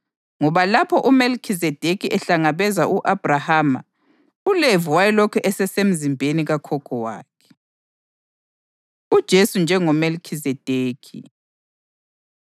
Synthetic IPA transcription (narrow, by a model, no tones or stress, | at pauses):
ŋɔβalapʰɔʔumelkʰizɛd̥ʱekʰiʔɛɬaŋaβɛzaʔuʔab̥rahaːma̰ | ulevuwajɛlɔkʰɛʔɛsɛsem̩zimbʱeniɣakʰɔkʰʼɔwa̰ːkʰɛ̥ | ud̥ʒ̥ʱesund͡ʒʱɛŋɔmelkʰizɛd̥ʱeːkʰi